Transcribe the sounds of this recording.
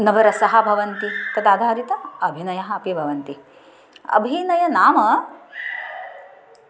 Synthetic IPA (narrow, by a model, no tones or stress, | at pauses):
nɐʋɐɾɐsɐɦɐ̆bʱɐʋɐnt̪it̪ɐd̪aːd̪ʱaːɾit̪ɐɐbʱinɐjɐɦɐ̆ɐpibʱɐʋɐnt̪i | ɐ̰bʱinɐjɐnaːmɐ